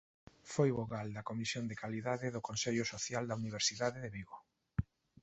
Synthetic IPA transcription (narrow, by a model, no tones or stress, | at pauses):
fojβoɣald̪ɐkomisjond̪ekaliðaðɪðʊkonseʎʊsoθjald̪ɐuniβ̞eɾsiðaðɪðeβiɣo